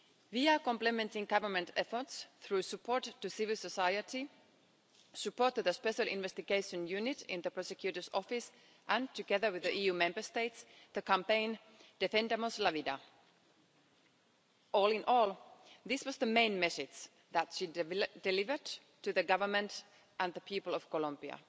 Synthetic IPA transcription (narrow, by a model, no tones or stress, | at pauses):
viəkɔ̃mplɨmɛ̃ntɪ̃ŋɡʌvə˞mə̃ntʰɛfə˞tsθɹʉsɨpʰɔɹtːɨsɪvɪlˠsəsaɪəti | sɨpɔɹtːɨðəspɛʃəlɪ̰̃nvɛst̪ɪɡeɪʃə̃njʉnɪtɪ̃nðəpʰɹ̥ɔsɛkʰj̥ʉɾə˞sɔfɪs | ʔə̃ntɨɡɛðə˞wɪðəʔijʉːmɛ̃mbə˞st̪eɪtsðəkæ̃mpẽɪ̃n | d̥ɛfɛ̃ndamoslavida | ʔɔːlˠɪ̃nʔɔlˠðɪswʌzðəmẽɪ̃nmɛsɪdd͡ʒ | ðætʃidɛlɪvə˞d | tɨðəɡʌvə˞mə̃nt | ʔə̃nðəpʰipəlˠɔv̥kɔlʌ̃mbiə̰